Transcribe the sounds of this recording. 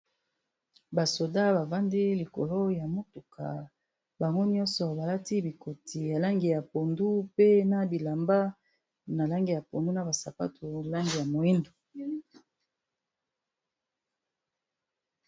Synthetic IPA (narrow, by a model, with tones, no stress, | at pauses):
ba˨so˨da˦ba˨va˦ndi˦li˨ko̰˨lo˦ja˨mo˦tu˨kʰa̰˨ | ba˨ŋɡo˦ni˦ɔ˦nsɔ˨ba˨la˦ti˦bi˨kʰo˨tʰi˨ja˨la˦ŋɡi˨ja˨po˨ndu˦pe˦na˦bi˨la˨mba˦ | na˨la˦ŋɡi˨ja˨po˨ndu˦na˨ba˨sa˨pa̰˦tʰo˨la˦ŋɡi˨ja˨mo˨i˦ndo˨